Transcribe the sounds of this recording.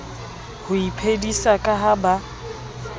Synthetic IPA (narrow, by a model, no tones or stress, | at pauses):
hʊipʰedisakʼaɦaba